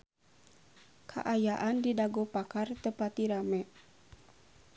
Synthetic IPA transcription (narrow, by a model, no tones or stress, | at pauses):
kʰa̰ʔajaʔandidaɡɔpakart̪əpat̪iɾamɛ